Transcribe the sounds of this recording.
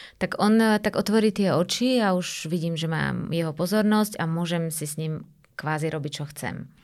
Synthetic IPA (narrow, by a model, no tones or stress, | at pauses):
t̪aɡɔnt̪aɡɔt̪ʋɔɾiːt̪ɪɛɔt͡ʃiauʒʋiɟiːmʒɛma̰ːmjɛɦɔpɔzɔɾnɔscamʊɔʒɛmsisɲim | kʋaːziɾɔbic̚t͡ʃɔxt͡sɛ̰m